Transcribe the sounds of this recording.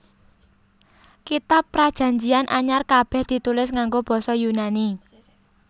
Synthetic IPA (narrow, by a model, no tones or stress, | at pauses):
kit̪apːɾad̥ʒ̥ä̤ɲd͡ʒianʔaɲarkab̥ɛhd̪̥i̤t̪ulɪsŋaŋɡob̥ɔ̤sɔjunani